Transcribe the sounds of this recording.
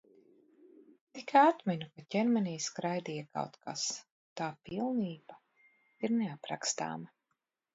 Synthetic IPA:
t̪ikat̪minʲukacʲɛnmɛniːskɾajd̪iːjaka̰wt̪ka̰s | t̪aːpilˠniːb̥a | iɾnɛapɾa̰kst̪a̰ːma

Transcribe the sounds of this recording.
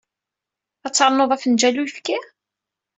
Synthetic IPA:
æt͡sːɑɾˤnoðˤæfənd͡ʒælujəfkæ

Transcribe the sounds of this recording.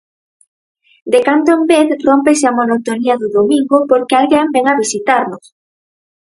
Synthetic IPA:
d̪ekand̪oembeθrompesɪamonot̪oniaðʊðomĩŋɡʊpoɾkɪalɣembɛŋaβisit̪aɾnʊs

